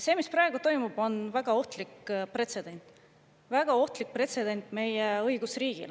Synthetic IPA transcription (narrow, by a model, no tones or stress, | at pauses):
se̞ːmisprɑe̞ɡ̥ut̪o̞jmub̥o̞nvæɡ̥ɑo̞ht̪likpre̞t̪se̞d̪̥e̞nʲt̪ˑ | væɡ̥ɑo̞ht̪lik̚pre̞t̪se̞d̪e̞nt̪ˑme̞jeɤ̞jɡ̥usriːɡ̥ḭl